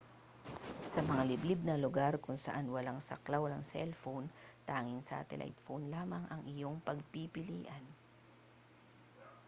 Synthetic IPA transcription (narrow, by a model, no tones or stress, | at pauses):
sɐmɐŋalɪblɪb̚nɐlʊɡaɾkʊŋsɐʔanwɐlaŋsɐ̰klawnɐŋsɛ̰lfownt̪aːŋɪnsɐ̰ʔɐ̰t̪ɛ̰lʔa̰jt̪̚fownlaːmɐŋʔɐŋʔɪjo̞ŋpɐɡ̚pipɪlḭːʔɐn